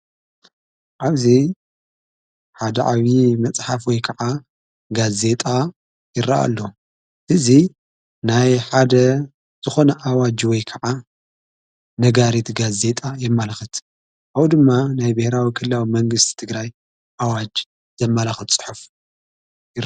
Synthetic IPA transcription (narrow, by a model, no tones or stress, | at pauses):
ʔaβzi | ħad̪ɐʕaβimɐt͡sʼħafwɔjkʰɐʕa | ɡaze̞t̪ʼa | jɪraʔa̰lːo | ʔɨzi | najħad̪ɐ | z̥ɨxo̞nɐʔawad͡ʒwɔjkʰɐʕa | nɐɡaɾit̪ɡaze̞t̪ʼajɛmːɐlaxɨt̪ | ʔawd̪ɨmːanajbɨhɾawikʰɨlːawimɐŋɡɨst̪ʰi̥t̪ʰɨɡɾaj | ʔawad͡ʒ | z̥ɐmːɐlaxɨt̪t͡sʼɨ̥ħuf | jɪ